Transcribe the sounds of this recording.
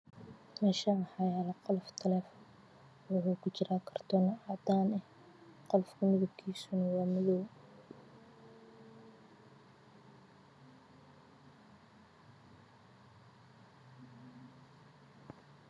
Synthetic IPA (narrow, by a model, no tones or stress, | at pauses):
mɛʃɐħɑjaːlɐqɔlft̪ʰɐlɛːfɔn | wʊħuːkʰʊt͡ʃɪɾaːkʰɐrt̪ʰɔnɐɑd̪aːnɛh | qɔlfkʰʊmɪðʊb̚kʰiːsʊnɐwɑːmɪðɔw